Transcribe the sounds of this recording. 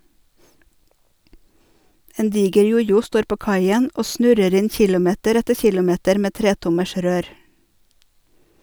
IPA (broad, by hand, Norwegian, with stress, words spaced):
ˈeːn ˈdiːɡəɾ ˈjʊjʊ ˈstoːɾ ˈpoː ˈkɑɪən ˈʔoː ˈsnʉɾəɾ ˈɪn ˈçɪlʊˌmeːtəɾ ˈɛtə ˈçɪlʊˌmeːtəɾ ˈmeː ˈtɾeːtʊməʃ ˈɾøːɾ